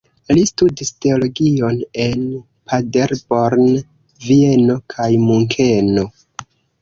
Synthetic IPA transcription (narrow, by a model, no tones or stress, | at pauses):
listudiste̞olo̞ɡio̞ne̞n | pʰade̞ɾboɾn | vie̞no̞kʰajmuŋkʰe̞no̞